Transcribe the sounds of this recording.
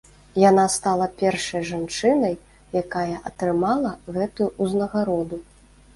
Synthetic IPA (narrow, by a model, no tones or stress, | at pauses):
janast̪alˠɐpʲɛrʂɐjʐant͡ʂɨnɐj | jakajɐʔɐt̪ɾɨmalˠɐɣɛt̪ujuuznɐɣaɾɔd̪u